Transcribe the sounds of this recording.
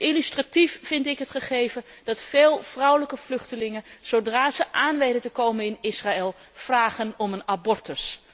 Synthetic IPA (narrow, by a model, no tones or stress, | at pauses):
ʔilystratifːɪntɪkɦətχəχejvəd̥ɑtfeːlˠv̥rʌwləkəv̥lɵχtəlɪŋənz̥owdraːzəʔaːnʋejdətəkowmənɪnɪsraɛlˠv̥raːχənɔmənabɔɹtəɹs